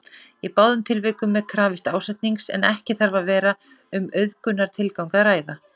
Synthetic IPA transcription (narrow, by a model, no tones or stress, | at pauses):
ipawðʏmt̪ʰɪlvɪːkʏmːɛkʰɾaːvɪst̪aːwsɛjt̪niŋksɛ̰nɛhcɪθaɾvavɛːɾa | ʏmœɥðkʏnːaɾ̥t̪ʰɪlkawŋkaðraːjða